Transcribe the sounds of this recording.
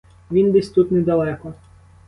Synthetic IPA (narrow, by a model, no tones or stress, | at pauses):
ʋʲind̪ɛsʲt̪ut̪nɛd̪ɐlˠɛkɔ